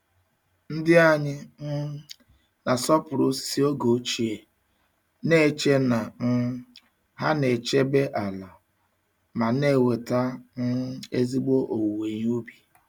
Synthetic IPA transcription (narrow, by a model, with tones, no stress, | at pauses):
n̩˦dɪ˦a˦ɲɪ˦n̩˦ | na˨sɔ˦pʊ˨ɾʊ˦si˦o˦ɡo˨˦t͡ʃi˨e˨ | ne˦˨t͡ʃe˦na˨n̩˦ | ɦa˦ne˨t͡ʃe˦be˦ʔa˨la˨ | ma˨ne˦˨we˨ta˦n̩˦e˦zi˦ɡ͡bo˦ʔo˨we˨ɲ˦u˦bi˨